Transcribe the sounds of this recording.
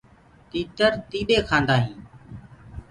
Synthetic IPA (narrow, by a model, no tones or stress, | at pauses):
t̪iːt̪əɾt̪iːɓeːkʰãːnd̪aːɦĩː